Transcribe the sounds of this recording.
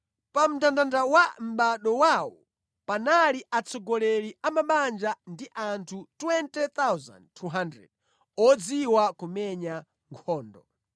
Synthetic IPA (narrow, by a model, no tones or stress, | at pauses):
pam̩dandandawam̩ɓaɗɔwawɔ̰ | panaliʔat͡sʰɔɡɔlɛliamaɓand͡ʒandiʔantʰutwɛntɛt̪awza̰ndtʰuɦandɾɛ̰d̚ | ɔd͡ziwakumɛɲa | ŋkʰɔːndɔ̰